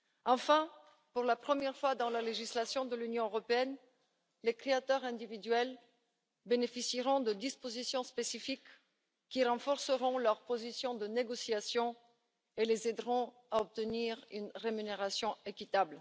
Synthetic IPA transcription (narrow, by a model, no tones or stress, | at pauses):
ɑ̃fɛ̃ | puʁlapχəmjɛʁfwad̪ɑ̃laleʒislasjɔ̃d̪əlynjɔ̃øʁɔpeɛn | lekχeat̪œʁɛ̃d̪ivid̪ɥɛl | benefisiʁɔ̃d̪əd̪ispozisjɔ̃spesifikː | iʁɑ̃fɔʁsəʁɔ̃lœʁpozisjɔ̃d̪əneɡosiasjɔ̃ | elezɛd̪ʁɔ̃ | aɔp̚t̪əniʁynʁemyneʁasjɔ̃ekʲit̪abl